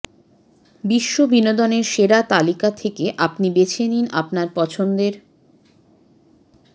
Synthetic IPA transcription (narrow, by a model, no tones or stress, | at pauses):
biʃːobinod̪ɔneɾʃeɾat̪alikat̪ʰekeʔapnibet͡ɕʰenina̰pnaɾpɔt͡ɕʰond̪eɾ